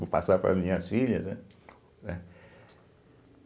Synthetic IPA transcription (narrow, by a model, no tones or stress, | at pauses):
opa̰sapɾɐ̰mĩɐsfiʎɐzɛ | ɛ